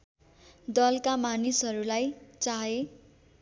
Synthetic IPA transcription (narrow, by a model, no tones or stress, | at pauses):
d̪ʌlkamanisɦʌɾulajt͡saɦe